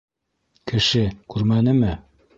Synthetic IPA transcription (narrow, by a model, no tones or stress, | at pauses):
kɘ̆ʃɘkʉɾmænɘmɘ